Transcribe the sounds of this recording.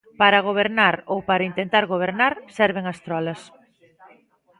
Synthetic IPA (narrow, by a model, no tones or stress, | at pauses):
paɾɐɣ̞oβ̞eɾnaɾowpaɾɐint̪ent̪aɾɣoβ̞eɾnaɾsɛɾβeŋɐst̪ɾɔlɐs